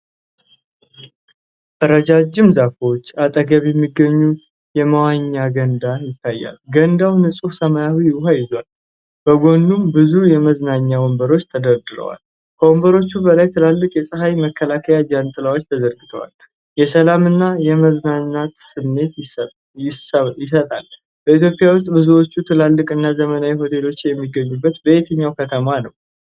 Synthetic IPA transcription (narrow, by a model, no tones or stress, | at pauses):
ʔəɾəd͡ʒad͡ʒːɪmzafwot͡ʃːat̪ʼəɡəβjɛmːiɡːəɲːu | jɛməwaɲːaɡənd̪ajɪt̪ʰːajːa̰lɡənd̪awnɨsʼufsəmajawiwɦajɪzowal | b̥əɡo̞nd̪umbɨzujɛməznaɲːawombəɾo̞t͡ʃːt̪ʰəd̪əɾd̪ɨɾə̰wa̰l | kʰəwombəɾo̞t͡ʃːubəlajt̪ʰɨlalːɨkʼjɛsʼɨɦajməkʰːəlakʰəjad͡ʒant̪ʼɨlawo̞t͡ʃːt̪ʰəzəɾɡɨt̪ʰə̰wa̰l | jɛsəlamɨnːajɛməznaɲːat̪sɨmːe̞t̪ | jɪsət̪ʼal | b̥əit̪jopʼijawʊs̬t̪ʼbɨzuwo̞t͡ʃːut̪ʰɨlalːɨkʼɨnːazəmənawiɦo̞t̪ʰe̞lo̞t͡ʃːjɛmːiɡːəɲːubːət̪bəʔet̪ʰəɲːawkʰət̪ʰəmanəw